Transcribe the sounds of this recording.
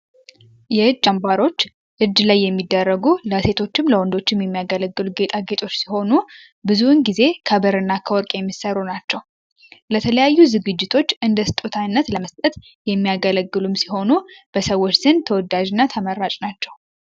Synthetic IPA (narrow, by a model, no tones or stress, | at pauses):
jɛɨd͡ʒːambaɾo̞t͡ʃː | ʔɨd͡ʒːlajːɛmːid̪ːərːəɡuləse̞t̪ʰo̞t͡ʃːɪmləwɔnd̪o̞t͡ʃːɪmjɛmːijaɡələɡːɨluɡe̞t̪ʼʰaɡe̞t̪ʰʼo̞t͡ʃːsiho̞nu | bɨzuɨnɡize̞kʰəbəɾɨnːakʰəwɔɾkʼjɛmːisəɾːunat͡ʃːɛw | lət̪ʰələjajːuzɨɡɨd͡ʒːɪt̪ʰo̞t͡ʃːɨnd̪əst̪ʼut̪ʰanːət̪ləməst̪ʼət̪ | jɛmːijaɡələɡːɨlumsi̥ho̞nub̥əsəwːo̞t͡ʃːsɨnt̪ʰəwɔd̪ːad͡ʒɪnːat̪ʰəməɾːat͡ʃʼnat͡ʃːɛw